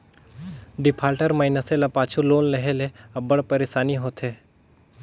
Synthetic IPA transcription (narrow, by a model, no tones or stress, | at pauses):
ɖɪpʰaːlʈəɾmaɪnəselapaːt͡ʃʰuloːnlɐɦeleɐbːəɽpɐɾeʃaːniɦoːt̪ɦeː